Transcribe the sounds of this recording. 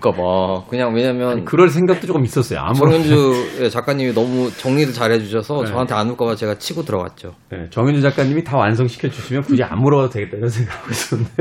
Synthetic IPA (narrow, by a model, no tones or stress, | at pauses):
k͈abakɯɲaŋweɲamjʌnkɯɾʌns̬ʰe̞ŋɡak̚t͈ot͡ɕok͈ɯmis͈ʌs͈ʌjo̰a̰muŋind͡ʑuje̞t͡ɕak͈aɲːiminʌmut͡ɕʌŋɲiɾɯɭt͡ɕaɾɦe̞d͡ʑuɕʰʌsʰʌt͡ɕʌɦantʰeanuɭk͈abat͡ɕe̞ɡat͡ɕʰiɡotɯɾʌɡa̰t̚t͡ɕ͈o | ne̞̰t͡ɕʌŋjind͡ʑud͡ʑak͈aɲːimitawansʰʌŋɕʰi̥kʰjʌd͡ʑuɕʰimjʌnkud͡ʑia̰muɾʌatwe̞ɡet͈anɯnsʰeŋɡaɡois͈ʌnde